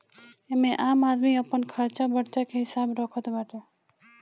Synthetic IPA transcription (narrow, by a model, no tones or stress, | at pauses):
emẽʔaːmaːd̪miəpːənkʰəɾt͡ʃabəɽt͡ʃakʰeɦɪsaːbɾɔːkʰət̪baʈe